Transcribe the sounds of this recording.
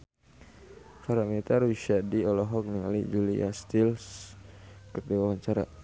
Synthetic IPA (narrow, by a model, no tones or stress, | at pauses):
kaɾamet̪aɾuʃadiɔlɔɦɔk̚niŋa̰lid͡ʒulḭa̰st̪ils | kərdiwawaɲt͡ʃaɾa̰